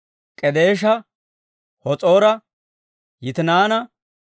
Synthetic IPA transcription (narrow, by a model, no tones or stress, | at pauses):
kʼɛd̪eːʃ̬ɐ | hɔt͡sʼo̞ːɾɐ | jɪt̪ɪnaːnɐ